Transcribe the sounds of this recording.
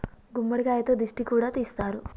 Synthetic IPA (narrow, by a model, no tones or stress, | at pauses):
ɡumːɐɽikaːjɐt̪oːd̪iʂʈikuːɽaːt̪ijst̪aːɾu